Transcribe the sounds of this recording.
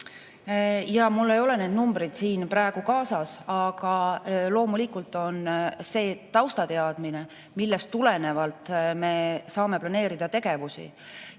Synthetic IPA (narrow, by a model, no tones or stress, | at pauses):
jɑmulːe̞jo̞le̞ne̞ːd̪numbɾid̪̥siːnpɾæeɡ̥ukɑːsɑsɑɡ̥ɑlo̞ːmulikult̪ːˑo̞nse̞ːt̪ɑwst̪ɑt̪e̞ɑd̪̥mine̞ | milːestt̪ule̞ne̞vɑlt̪ˑme̞sɑːme̞plɑne̞ːɾid̪̥ɑt̪e̞ɡ̥e̞vusḭ